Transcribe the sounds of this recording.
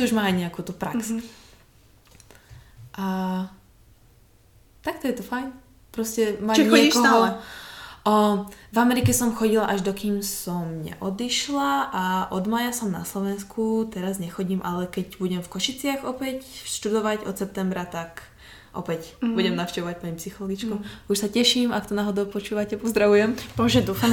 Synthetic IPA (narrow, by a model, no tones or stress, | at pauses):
t̪iuʒmaːɲɛakut̪uːpɾa̰ks | ʔa | t̪ak̚t̪ɔjɛt̪ɔfajn | pɾɔscɛmaɲɛiʃkɔaɦɔɛ | ɔvamɛɾikɛsɔmxɔɟilaʔaʒd̪ɔkiːmsɔmɲɛ̰ʔɔd̪iʃlaʔaʔɔd̪maːjasɔmna̰slɔʋɛnskʰut̪ɛɾazɲɛxɔɟiːmʔalɛkɛɟbuɟɛmfkɔʃit͡sɪaɣɔpɛcʃt̪ud̪ɔʋaɟɔt̪sɛp̚t̪ɛmbɾat̪ak | ʔɔ̰pɛcbbuɟɛmnaʊʃcɛʋɔʋac̚paɲimpsixɔlɔɡit͡ʃkuuʃsacɛʃiːmakt̪ɔnaɦɔd̪ɔʊpɔt͡ʃuːʋacɛpɔzd̪ɾaʋujɛmʒɛd̪uːfam